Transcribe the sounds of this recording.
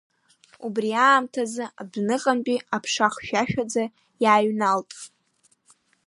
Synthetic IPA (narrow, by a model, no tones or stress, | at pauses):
ubriaːmtʰazɨabnɨqʼampʼiapʰʂaχʃᶣaʃᶣad͡za | jaːɥnaltʼ